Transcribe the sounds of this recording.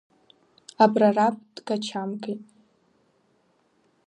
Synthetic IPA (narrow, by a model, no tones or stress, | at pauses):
abrarap̚ʰʼd̥ɡat͡ʃʰamɡejtʼ